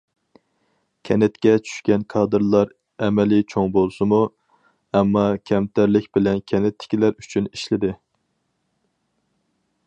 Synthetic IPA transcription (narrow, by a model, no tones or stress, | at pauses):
kʲʰɛnɪt̪kʲɛt͡ʃʰy̥ʃkʲɛnkʰɑːd̪ɨɾlˠɑɾ | ɛmɛlɪt͡ʃʰoŋbolˠsɨmu | ɛmːɑkʲʰɛmt̪ʰæɾlɪkʲbɪlɛnkʲʰɛnɪt̪ʰːɪ̥kʲilæɾyt͡ʃʰyniʃlɪd̪ɪ